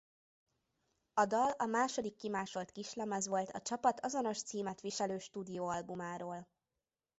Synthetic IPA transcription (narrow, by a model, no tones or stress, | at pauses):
ɒd̪ɒlɒmaːʃo̞d̪ikːimaːʃo̞lt̪kiʃlɛmɛzʋo̞lt̪ʰɒt͡ʃɒpɒt̪ʰɒzo̞no̞ʃt̪siːmɛt̪ʋiʃɛløːʃt̪uːd̪ijoːɒlbumaːɾoːl